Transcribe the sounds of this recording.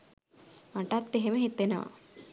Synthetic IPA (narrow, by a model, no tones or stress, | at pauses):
maʈat̪ːeɦeməɦit̪ːenəʋa̰